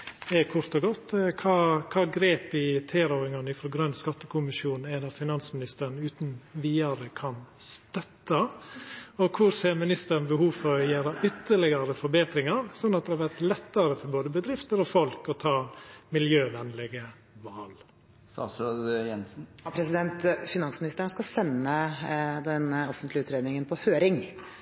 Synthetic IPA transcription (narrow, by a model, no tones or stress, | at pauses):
ɛkʰʊɾt̪ɔɡɔt̪ːkʰɑːkʰɑːɡɾeːpɪt̪ʰeːɾɔːɪŋɑnəɪfɾɔɡɾœnskɑt̪ːəkʰʊmɪʃjuːnn̩æd̪ɑfɪnɑnsmɪnɪst̪əɾn̩ʉːt̪n̩ʋiːɑɾəkʰɑnst̪œt̪ːɑ | ɔkʰʊɾseːɾmɪnɪst̪əɾn̩bəhuːfɔɾɔjæːɾɑʔʏt̪ːəɭɪɡɑɾəfɔɾbeːt̪ɾɪŋɑɾsɔnːɑt̪̚d̪ɛhɑɾʋæɾt̪lɛt̪ːəɾəfɔɾboːd̪əbəd̪ɾɪft̪əɾɔfɔlkɔt̪ʰɑːmɪljøːʋɛnlɛɡə | ʋɑːl | sɑ̰sɑd̪jɛnsn̩pʰɾɛsɪd̪ɛnt̪fɪnɑnsmɪnɪst̪əɳ̩skɑsɛnːəd̪ɛnɔfənt̪lɪʉːt̪ɾeːd̪nɪŋənpʰɔhøːɾɪŋ